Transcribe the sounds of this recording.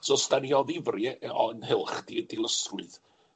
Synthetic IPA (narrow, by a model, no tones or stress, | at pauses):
sɔstanjɔðɪvrɪɔnhɪlˠχd̥idilˠəsrʊɨð